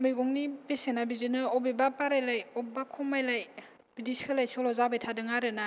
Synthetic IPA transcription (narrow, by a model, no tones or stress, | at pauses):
mɯjɡɔŋnipesenabizɯnɯɔbebapaɾajlajɔp̚bakʰɔmajlaj | b̥idiskʰɯlajsɔlɔzabajtʰadɯŋaɾɯna